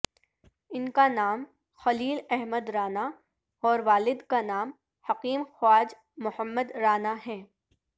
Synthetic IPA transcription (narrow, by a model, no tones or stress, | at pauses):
ɪnkanaːm | xɐliːlɛɦməd̪ɾaːna | ɔːɾʋaːlɪd̪kanaːm | hɐqiːmxwaːd͡ʒ | mʊhəmːəd̪ɾaːnaɦɛ̃ː